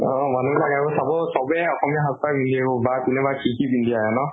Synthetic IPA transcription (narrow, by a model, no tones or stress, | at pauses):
ɔ̃manulaɡɛakɔsabɔsɔbɛɔxɔmijɔɦastaɹbind̪iakɔbakunɛbakikibind̪iajɛnɔ